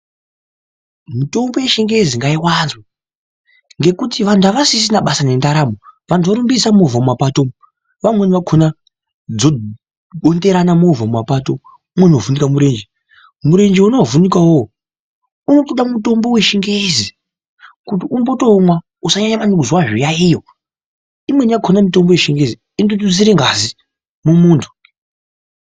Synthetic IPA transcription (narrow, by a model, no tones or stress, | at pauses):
mito̞mbo̞wjeʃiŋɡeeziŋɡaiwanzwa | ŋɡe̞kutiʋantʰuaʋasis̬inaɓasane̞ndaɾamoʋantuoɾumbisamovamumapato | ʋamweniʋakʰona | d͡zo̞ | ɗo̞nde̞ɾanamovamumapato | umwenovunikamuɾeːnd͡ʒe | muɾe̞nd͡ʒeunovunikawo | uno̞toɗamuto̞mbo̞weʃiŋɡeizi | kut̬iunpotomwa | usaɲaɲamanikuzwaʐijaijo | imweniakʰonamito̞mbo̞jeʃiŋɡezi | indotud͡ziɾeŋɡazi | mumuːntʰu̥